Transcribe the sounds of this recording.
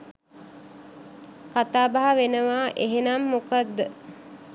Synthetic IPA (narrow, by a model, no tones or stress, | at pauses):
kat̪aːbaɦaʋenəʋaːʔeɦenamːukad̪ːə